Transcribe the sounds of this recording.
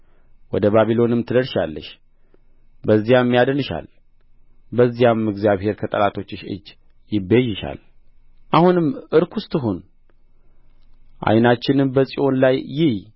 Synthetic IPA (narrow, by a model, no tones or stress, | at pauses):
wɔd̪əβaβilo̞nɨmt̪ʰɨd̪əɾʃa̰lːə̰ʃ | bəzːijamːijad̪ənɨʃa̰l | bəzːijamɨɡzijaβhe̞ɾkʰət̪ʼəlat̪ʰo̞t͡ʃːɪʃɨ̰d͡ʒː | jɪbːejːɪʃa̰l | ʔahunɨmʔɨɾkʰʊst̪ʼɨɦun | ʔa̰jnat͡ʃːɪnɨmbəsʼiʔo̞nlajːɪh